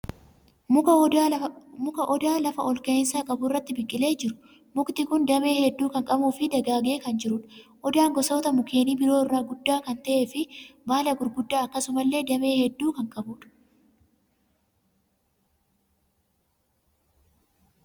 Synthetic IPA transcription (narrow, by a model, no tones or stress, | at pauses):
mʊkɐʔɔd̪aːlɐfɐʔɔlkɐɪnsaːkʼɐbʊrːɐt̪ːɪbɪkʼːɪle̞ːd͡ʒɪɾʊ̥ | mʊkt̪ɪkʊnd̪ɐme̞ːhɛd̪ːuːkɐŋkʼɐbuːfɪd̪ɐɡaːɡe̞ːkɐnd͡ʒɪɾʊᶑʔɔd̪aːŋɡɔso̞ːt̪ɐmʊke̞ːniːbɪɾoːɪrːaːɡʊd̪ːaːkɐnt̪ɐʔe̞ːfɪbaːlɐɡʊɾɡʊd̪ːaːɐkːɐsʊmɐlːe̞ːd̪ɐme̞ːhɛd̪ːuːkɐŋkʼɐbuːᶑɐ̥